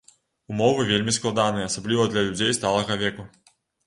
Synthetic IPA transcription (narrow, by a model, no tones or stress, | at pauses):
umɔvɨvʲelʲmʲisklˠad̪anɨjɐɐsablʲivɐd̪lʲɐlʲud͡zʲejst̪alˠɐɣɐvʲɛku